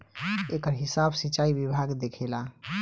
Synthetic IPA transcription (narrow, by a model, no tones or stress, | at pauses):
ekəɾɦisabsit͡ʃaibibʱaɡd̪ekʰela